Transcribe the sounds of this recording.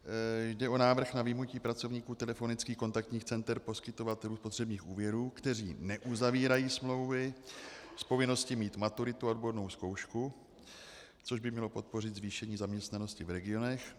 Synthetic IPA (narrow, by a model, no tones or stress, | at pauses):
jdɛʔo̞naːvr̩xnavɪmnuciːpɾat͡so̞vɲiːkuːt̪ɛlɛfo̞nɪt͡skiːxko̞nt̪ak̚t̪ɲiːxt͡sɛnt̪ɛɾpo̞skɪt̪o̞vat̪ɛluːspot̪r̝̥ɛbɲiːxʔuːvjɛɾuːkt̪ɛrḭːnɛʔuzaviːɾajiːsmlo̞wvɪ | spo̞vɪno̞scɪmiːt̪mat̪uɾɪt̪uodbodno̞wsko̞wʃku | t͡so̞ʒbɪmɲɛlo̞po̞t̪̚po̞r̝ɪd̪zviːʃɛɲiːzamɲɛst̪nano̞scɪvɾɛɡɪo̞nɛx